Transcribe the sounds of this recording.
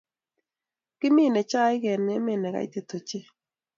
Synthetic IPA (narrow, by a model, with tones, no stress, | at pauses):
kɪ˦mɪ˦˨nɛ˨t͡ʃa˦ɪ˦ɡɛ˨nɛ˦mɪ˦˨nɛ˨ka̰˨ɪ̰˦t̪e˨t̪o˨t͡ʃe˦